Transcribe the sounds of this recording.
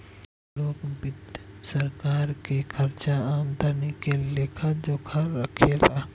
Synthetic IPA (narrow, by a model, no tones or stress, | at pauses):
loːkbɪt̪səɾkaːɾkekʰəɾt͡ʃaaːmd̪ʱənikeleːkʰad͡ʒoːkʰəːəkʰet̪aː